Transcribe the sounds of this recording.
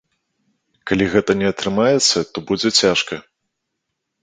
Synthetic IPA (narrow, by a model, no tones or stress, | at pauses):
kalʲiɣɛt̪ɐnʲɛɐt̪ɾɨmajɛt̪sːɐt̪ɔbud͡zʲɛt͡sʲaʂkɐ